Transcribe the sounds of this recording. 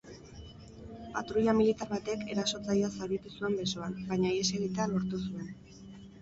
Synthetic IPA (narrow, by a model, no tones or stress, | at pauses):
pat̪ɾuʎamilit̪aɾβat̪e̞ke̞ɾaso̞t͡sajoasaβit̪usue̞mbe̞so̞anbaɲaieseɣit̪ealo̞ɾt̪usue̞n